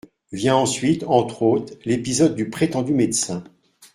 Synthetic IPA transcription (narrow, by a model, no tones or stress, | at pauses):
vjɛ̃ɑ̃sɥit̪ɑ̃t̪χot̪χlepizɔd̪̚ːypχet̪ɑ̃d̪ymed̪sɛ̃